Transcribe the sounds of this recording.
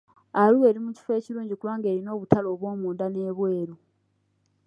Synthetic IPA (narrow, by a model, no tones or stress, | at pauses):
aluwe̞ːɾimuci̥fe̞ːciɾuːɲɟikulwaːŋɡeːɾino̞ːβutalo̞ːβwo̞ːmuːndane̞ːβwe̞ːɾu